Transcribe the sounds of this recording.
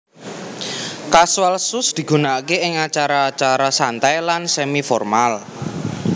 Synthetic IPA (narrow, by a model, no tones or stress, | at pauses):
kaswalsʊsd̪̥i̤ɡ̥ṳnakeɪŋat͡ʃaɾaːt͡ʃaɾasant̪ajlansemifɔrmal